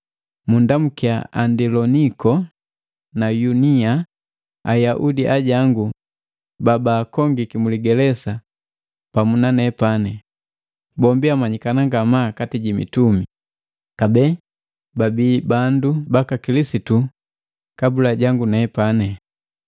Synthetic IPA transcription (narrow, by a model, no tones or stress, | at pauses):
mundamukia̰a̰ndilɔnikɔ | najunia | ajaʔudiʔaɟaŋɡu | babaːkɔŋɡikimuliɡɛlɛsa | pamunanɛpanɛ | bɔmbiamaɲikanaŋɡamaːkatiɟimḭtumi | kabɛ | babiːbandubakakilisitu | kabulaɟaŋɡunɛːpanɛ